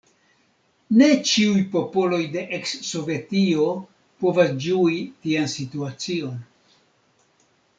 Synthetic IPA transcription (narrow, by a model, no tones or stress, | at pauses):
ne̞t͡ʃiujpo̞po̞lo̞jde̞ʔeksːo̞vetio̞ | po̞vasd͡ʒuitiansituat͡sio̞n